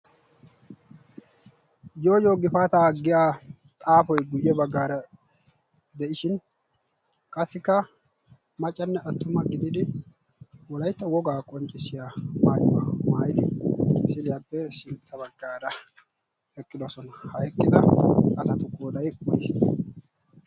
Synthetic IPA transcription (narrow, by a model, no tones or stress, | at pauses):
jo̞ːjoːɡɪfaːt̪aːɡɪjaː | t̪ʼaːfɔjɡʊjːɛbɐɡːaːɾɐ | d̪ɛʔɪʃɪn | kʼɐsːɪkːɐ | mɐt͡ʃʼːɐnːɛʔɐt̪ːʊmɐɡɪd̪ɪd̪ɪ | wɔlɐjt̪ːɐwɔɡaːkʼɔnt͡ʃʼːɪsɪjaːmaːjʊmaːmaːjɪd̪ɪesɪlɪjapːɛsɪnt̪ʰːɐbɐɡːaːɾɐ | ɛkʼːɪd̪ɔsɔnɐhɐɛkʼːɪd̪ɐɐt̪ɐt̪ʊkoːd̪ɐjmɐjs